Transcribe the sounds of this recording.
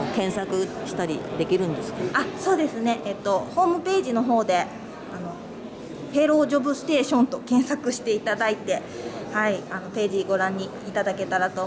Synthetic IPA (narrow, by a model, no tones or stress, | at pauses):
kẽ̞ɰ̃sakɯ̟ɕi̥t̪aɾʲid̪e̞kʲiɾɯ̟̃nd̪e̞sɨ̥kaso̞ːd̪e̞sɨne̞ʔet̪ːo̞ho̞ːmɯ̟pe̞ːʑino̞ɦo̞ːd̪e̞ | ano̞ | pe̞ɾo̞ːd͡ʑo̞bɯ̟sɨ̥t̪e̞ːɕõ̞nt̪o̞kẽ̞ɰ̃sakɯ̟ɕi̥t̪e̞it̪ad̪ait̪e̞ | haiano̞pe̞ːʑiɡo̞ɾãɲ̟ːi | it̪ad̪ake̞t̪aɾat̪o̞